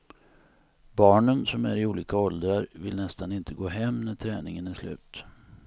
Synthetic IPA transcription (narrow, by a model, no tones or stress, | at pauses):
bɑːɳənsɔmæɾɪuːliːkaɔld̪ɾaɾvɪlnɛst̪anɪnt̪ʰəɡoːɦɛmːnæʈʰɾɛːnɪŋənæʂlʉ̟ːt̪